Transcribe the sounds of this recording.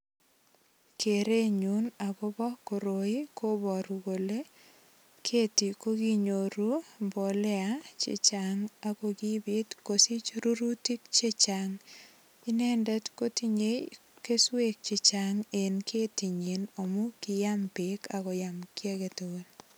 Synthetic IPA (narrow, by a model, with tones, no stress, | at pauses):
kʰe˨ɾe˦ɲu˨˦na˨ɡɔ˦bɔ˦ko˨ɾo˨i˦ko˦bɔ˨ɾu˨ɡo˨le˦ | kʰe˦ti˨ko˦ɡi˦ɲo˨ɾu˦bo˨lɛ˦at͡ʃḛ˦t͡ʃaŋa˨ko˨ɡi˦bɪ˦tko˨si˦t͡ʃɾu˦ɾu˦ti˦k̚t͡ʃe˦t͡ʃaŋ | ɪ˦nɛ˦ndɛ˦tko˦ti˦ɲe˦j | ke˦swe˦k̚t͡ʃe˨t͡ʃaŋe˨nkʰe˦ti˨ɲi˨no˨mu˦kɪ˨ja˦mpɪ˨ka˨kɔ˨jamkja˦ɡe˨ton